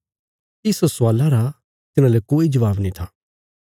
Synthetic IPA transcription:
ɪsosʊaːlaɾa | t̪ɪnãːlekoːid͡ʒɐʋaːbnĩt̪ʰaː

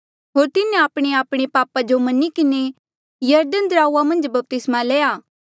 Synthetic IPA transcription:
ɦoːɾt̪ɪnẽaːpɽ̃eaːpɽ̃epaːpad͡ʒomɐnikɪne | jɐɾd̪ənd̪ɾaːuamɐ̃nd͡ʒbɐp̚t̪ɪsmaleːjaː

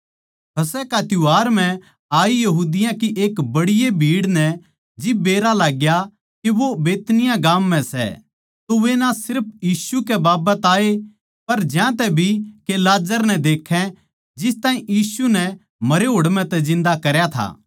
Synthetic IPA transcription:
pʰɐsɛkat̪ʊaːɾm̤ɛ̃ | aːijɐɦuːd̪ɪjãkiʔeːkbɐɽɪjebʱiːɽnɛ | d͡ʒɪbeːɾalaːɡja | keʋobeːt̪nɪjãɡaːmːɛ̃sɛ̰ | t̪oʋenasɪɾpʰjiːsukɛbaːbət̪aːe | pɐɾd͡ʒjãt̪̬ɛbʱikelaːd͡ʒəɾnɛd̪eːkʰːɛ̃ | d͡ʒɪst̪aːĩjiːsunɛ | mɐɾeɦoːɽmɛ̃t̪ɛd͡ʒɪ̃nd̪akɐɾjat̪ʰa̰ː

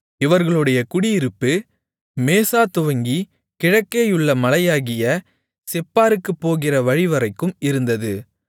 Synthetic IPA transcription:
ɪʋɐɾɣɐɭɯɽɐjɐkʊɽiɪɾɯpːɯ | meːsaːt̪ʊʋɐŋɡi | kɪɻɐkːeːjɯɭːɐmɐlɐjaːɣɪjɐ | sɛpːaːɾɯkːɯpːoːɣɪrɐʋɐɻɪʋɐrɐɪkːɯmɪɾɯnd̪ɐðɯ

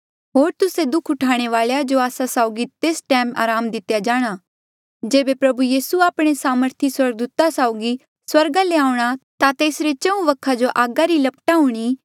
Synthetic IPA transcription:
ɦoːɾt̪ʊsed̪ʊkʰʊʈʰaːɽ̃eʋaːɭejad͡ʒoaːsasaːʊɡit̪eːsʈɛːma̰ːɾaːmd̪ɪt̪jad͡ʒaːɽ̃a | d͡ʒeːbepɾɐbujiːsuaːpɽ̃esaːməɾt̪ʰiswɐɾɡ̚d̪uːt̪asaːʊɡi | swɐɾɡaleaːʊɽ̃at̪at̪eːsɾet͡ʃɐ̃ũʋɐkʰad͡ʒoʔaːɡaɾilɐpʈaɦʊɽ̃i

